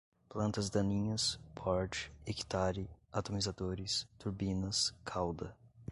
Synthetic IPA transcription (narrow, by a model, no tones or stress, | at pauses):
plɐ̃nt̪ɐzd̪ɐ̃nĩɲɐspʰɔɾt͡ʃɪ̥eki̥t̪aɾɪat̪omizad̪oɾɪst̪uɾbĩnɐskʰawd̪ɐ